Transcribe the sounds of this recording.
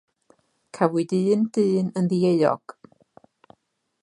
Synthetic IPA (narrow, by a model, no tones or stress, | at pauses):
kʰavɨdɨːndɨːnənðieɨɔ̰ɡ̥